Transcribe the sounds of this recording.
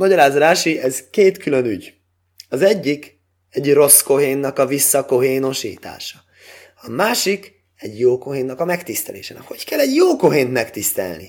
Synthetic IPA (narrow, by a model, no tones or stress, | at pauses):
mɒɟɒɾaːzɾaːʃiɛzkeːt̪kylø̞nyɟ | ɒzɛɟːik | ɛɟro̞sko̞ɦeːnːɒkɒvisːɒko̞ɦeːno̞ʃḭːt̪a̰ːʃɒ̥ | ɒmaːʃik | ɛɟjoːko̞ɦeːnːɒkɒmɛkt̪ist̪ɛlḛːʃɛ̰nho̞ckɛlɛɟjoːko̞ɦeːnt̪mɛkt̪ist̪ɛ̰lnḭ